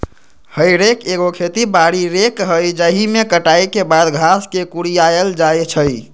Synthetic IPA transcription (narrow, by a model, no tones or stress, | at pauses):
həjɾekeɡokʰet̪ibaɽiɾekɦəjd͡ʒəɦimekəʈajkebad̪ɡʱaskekuɽijaeld͡ʒajt͡ʃʰəj